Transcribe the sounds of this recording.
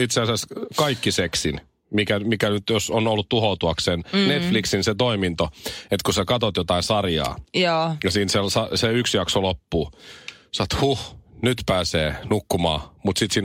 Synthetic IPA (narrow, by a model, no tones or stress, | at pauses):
it̪seɑseskɑikːiseksin | mikæmikænyt̪josonolːut̪t̪uhout̪uɑkssennet̪fliksinset̪oimint̪oet̪kusekɑt̪ot̪jot̪ɑinsɑrjɑ̰ːjːjɑsiːnselsɑseyksjɑksolopːuːsɑnt̪huhnyt̪pæːseːnukːumɑ̰ːmut̪sit̪siːn